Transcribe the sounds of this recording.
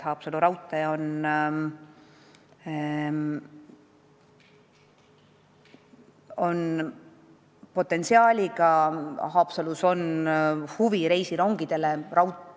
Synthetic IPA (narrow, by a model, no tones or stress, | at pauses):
hɑːpsɑluɾɑwt̪ːˑɑjɑo̞n | o̞n | po̞t̪ːˑe̞nsiɑːlʲiɡɑɦɑːpsɑluso̞nhuviɾe̞jsiɾo̞ŋɡ̥id̪̥e̞le̞rɑwt̪